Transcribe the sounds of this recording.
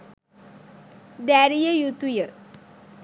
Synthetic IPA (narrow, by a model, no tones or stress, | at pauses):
d̪æɾijəjut̪ujə